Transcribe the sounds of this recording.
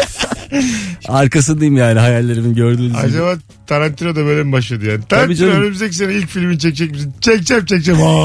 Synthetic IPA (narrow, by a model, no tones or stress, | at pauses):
aɾkas̬ɯnd̪ajimjaːniɦajalʲːeɾiminɟøɾd̪yːa̰d͡ʒaβaː | t̪ʰaɾant̪ʰiɾad̪abeɾɛmbaʃlˠad̪ɯjaːnit̪ʰaɾanbiːd͡ʒnɾønymyzd̪ɛc̬ʲis̬enɛilʲcfilʲmint͡ʃʰɛc̚t͡ʃʰɛciʃint͡ʃʰɛc̚t͡ʃʰɛmt͡ʃʰɛc̚t͡ʃɛma